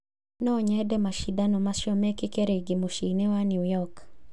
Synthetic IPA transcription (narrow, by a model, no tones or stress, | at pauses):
nɔɲɛdɛmaʃid̪anɔmaʃɔmɛkikeɾeɡimoʃinewaniwjɔk